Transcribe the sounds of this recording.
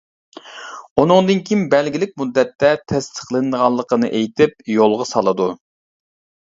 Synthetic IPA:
unɨŋd̪ɨnkʲʰimbɛlɡʲilɪk̚ʲmud̪ːɛt̪ʰːɛt̪ʰɛst̪ʰə̥χlˠɨnɨʁɑlˠːəqənɨʔejt̪ʰɪp̚jolˠʁɑsɑlˠɨd̪u

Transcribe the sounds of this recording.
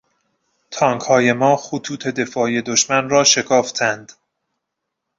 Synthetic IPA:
t̪ʰɒːŋkhɒːje̞mɒːxut̪ʰuːt̪ʰe̞d̪e̞fɒːje̞d̪oʃmænrɒːʃe̞kʰɒːft̪ʰænd̪̥

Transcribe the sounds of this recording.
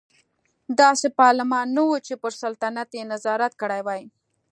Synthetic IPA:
d̪ɑsepɑɾlɪmɑnːawut͡ʃepəɾsalt̪anat̪jenazɑɾat̪̚kəɽajwɑji

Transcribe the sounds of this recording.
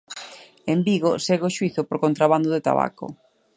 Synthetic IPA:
embiɣʊseɣʊʃwiθʊpoɾkont̪ɾaβand̪ʊðet̪a̰βa̰kʊ̰

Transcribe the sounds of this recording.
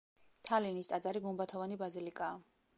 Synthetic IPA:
t̪ʰalinist̪ʼad̪zaɾiɡumbat̪ʰɔvanibazilikʼaː

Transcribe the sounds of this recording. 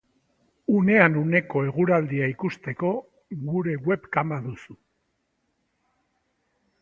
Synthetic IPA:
une̞anune̞ko̞e̞ɣuɾald̪iaikust̪e̞ko̞ | ɣuɾe̞ɣwe̞pkambaðusu

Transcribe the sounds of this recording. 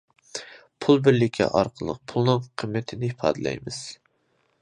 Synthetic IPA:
pʰulˠbɪɾlɪkʲʰːɛ̰ʔɑɾqʰəlˠə̰q̚pʰulˠnɨŋqʰəmːɛt̪ʰɪnɪifʰɑ̰ːd̪ɨlɛ̰jmɨz̥

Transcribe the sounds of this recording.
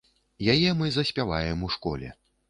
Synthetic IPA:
jajɛmɨzɐsʲpʲavajɛmuʂkɔ̰lʲɛ̰

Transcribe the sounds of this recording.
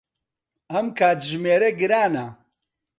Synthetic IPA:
ɐmkʰaːt̪ʒɨmeːɾeɡɨɾaːna

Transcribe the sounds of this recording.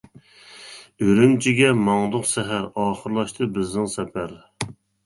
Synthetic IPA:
øɾymt͡ʃʰiɡʲɛmɑŋd̪ʊqsɛɦæɾɑːχəɾlˠɑʃt̪ʰɨbɪznɪŋsɛpʰæɾ

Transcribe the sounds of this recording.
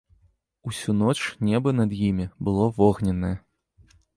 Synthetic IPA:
usʲun̪ɔt͡ʂnʲɛbɐnɐd̪jimʲibɨlˠɔvɔɣnʲɛnɐjɛ

